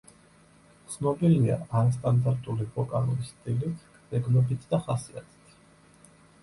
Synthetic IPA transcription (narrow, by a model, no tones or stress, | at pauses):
t̪sʰnɔbilia̰aɾast̪ʼand̪aɾt̪ʼulibɔkʼa̰ɾulisːt̪ʼilit̪ʰ | ɛɡnɔbit̪ʰd̪aχasia̰t̪ʰɛ̥t̪ʰ